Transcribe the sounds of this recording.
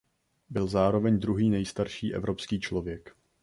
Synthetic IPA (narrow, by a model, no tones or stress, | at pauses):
bɪlzaːɾo̞vɛɲd̪ɾuɦiːnɛjst̪aɾʃiːʔɛ̰vɾo̞pskiːt͡ʃlo̞vjɛk